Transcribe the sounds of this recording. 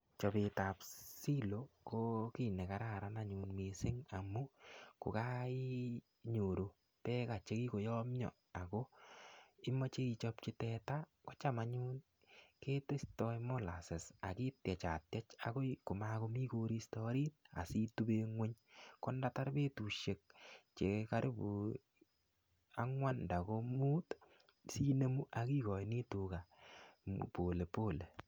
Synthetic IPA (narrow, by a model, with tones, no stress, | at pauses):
t͡ʃɔ˨pe˧ta˨psi˦lo˨ko˦ki˨ne˨ka˨ɾa˦˨ɾa˦na˦ɲu˨nme˨sɪ˦ŋa˨mu˦kʊ̰˨ka˦i˦ | ɲo˨ɾo˨ | pɛ˦ka˨t͡ʃe˦ki˦ko˨jɔ˦mɲɔ̰˨ | a˨ko˦ | i˦mɔ˦t͡ʃe˦i˧t͡ʃɔ˦p̚t͡ʃɪ˦tɛta˦ | kɔ̥˦t͡ʃa˦ma˨ɲu˦n | ke˦te˦stɔ˦jmɔ˦la̰˨se˨sa˨ki˦tjɛ˨t͡ʃa̰˨tjɛ˦t͡ʃa̰˨ko˦ko˨mako˦mi˦ko˧ɾi˦stɔ˦ɾi˦t̚a̰˨si˦tu˦be˦ŋwe˦ɲkɔ˦nda˦ta˦ɾbe˦tu˨ʃe˨k̚t͡ʃe˨ka˦ɾi˦bu˨ | a˦ŋwa˦nnda˨ko˦muː˦t | siː˦ne˦mu˦ʔa˨ki˦kɔ˨ni˦tu˨ka˨m̰po˨le˨po˦le˨